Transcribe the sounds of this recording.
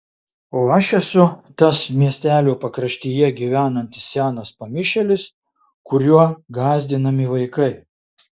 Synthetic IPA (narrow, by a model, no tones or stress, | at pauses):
oːɐʃɛsʊt̪ɐsmʲiɛsʲt̪ʲæːlʲuːpɐkɾɐʃʲt̪ʲiːjɛɡʲiːʋʲæːnɐnʲt̪ʲɪ̥ssʲæːnɐspɐmʲɪʃʲɛlʲɪs | kʊɾʲjuɔɡɑːzʲd̪ʲɪnɐmʲɪʋɐɪkɐɪ